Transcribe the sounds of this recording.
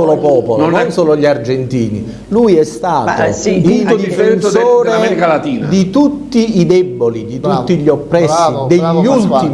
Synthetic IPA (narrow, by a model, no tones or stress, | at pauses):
oːlopɔːpolnnonsoːloʎard͡ʒent̪iːnḭ | lujɛst̪aːt̪ild̪d̪iifssoːɾeaɛɾikalat̪iːnd̪it̪ut̪ːiid̪ɛbːolid̪it̪ut̪ːiʎopːɾɛsːid̪eʎːult̪i